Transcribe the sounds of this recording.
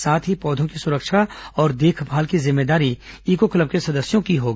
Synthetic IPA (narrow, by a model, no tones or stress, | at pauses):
saːt̪ʰɦipɔːd̪ʱõkisʊɾəkʃʰaɔːɾd̪eːkʰbʱaːlkizɪmːeːd̪aːɾiiːkokɐləb̚kesɐd̪əsjõkiɦoːɡ